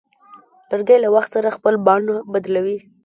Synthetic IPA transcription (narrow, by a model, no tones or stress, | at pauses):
ləɾɡajlawaxt̪saɾaxpəlbɑnabad̪lawi